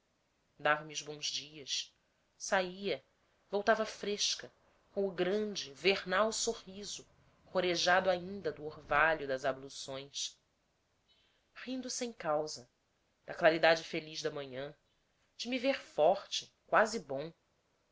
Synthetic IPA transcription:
d̪avɐmiuzbõzd͡ʒiɐs | saiɐ | vowt̪avɐfɾeʃkɐ | kõw̃ʊɡɾɐ̃d͡ʒɪvehnawsoʁizʊ | hoɾeʒad̪ʊaĩnd̪ɐd̪ʊoɾvaʎʊd̪ɐzablusõj̃s | χĩnd̪ʊsẽj̃kawzɐ | d̪̥ɐklaɾid̪ad͡ʒɪfeliʒd̪ɐmɐ̃ɲɐ̃ | d͡ʒɪmiveɾfɔχt͡ʃɪ | kwazɪbõw̃

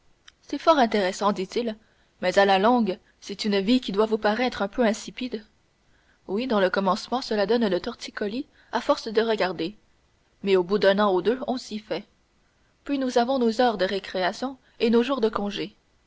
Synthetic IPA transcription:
sɛfɔːʁɛ̃t̪eʁɛsɑ̃d̪it̪il | mɛzalalɔ̃ɡ | sɛt̪ynvikʲid̪wavupaʁɛt̪χœ̃pʰøɛ̃sipid̪ | wid̪ɑ̃ləkɔmɑ̃smɑ̃səlad̪ɔnlət̪ɔʁt̪ikɔli | afɔʁsd̪əʁəɡaʁd̪e | mɛobud̪œ̃nɑ̃od̪øɔ̃sifɛ | pɥinuzavɔ̃nozœʁd̪əʁekχeasjɔ̃ | enoʒuːʁd̪əkɔ̃ʒe

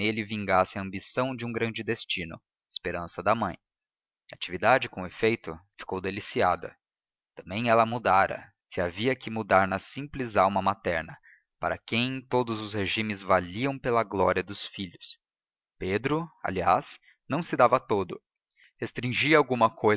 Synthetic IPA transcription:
elɪvĩŋɡasɪɐɐ̃mbisɐ̃w̃d͡ʒɪũɡɾɐ̃nd͡ʒɪd̪est͡ʃĩnʊ̰ | e̥speɾɐ̃sɐd̪ɐmɐ̃j̃ | ɐːt͡ʃivid̪ad͡ʒɪkõefejt̪ʊfi̥kowd̪elisia̰d̪ɐ̰ | t̪ɐ̃mbẽj̃ɛlɐmud̪aɾɐ̰ | sɪaviɐkɪmud̪aɾnɐsĩmplɪzawmɐmat̪ɛɾnɐ | pa̰ɾɐkẽj̃t̪od̪ʊzʊsheʒĩmɪzvaliɐ̃w̃pelɐɡlɔɾiɐd̪ʊsfiʎʊs | ped̪ɾʊa̰lia̰s | nɐ̃w̃sɪd̪avɐt̪od̪ʊ | hest̪ɾĩʒiɐawɡũmɐkʰoj

